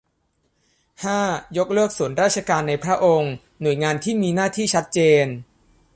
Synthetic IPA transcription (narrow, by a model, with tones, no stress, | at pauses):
haː˥˩jo˦˥k̚lɯ˥˩ək̚su˨˩˦ənɾaː˥˩t̪̚t͡ɕʰa˧kaː˧nːa˧jpʰɾa˦˥ʔo˧ŋ | nu˨˩əjŋaː˧nt̪ʰiː˥˩miː˧naː˥˩t̪ʰiː˥˩t͡ɕʰa˦˥t̪̚t͡ɕeː˧n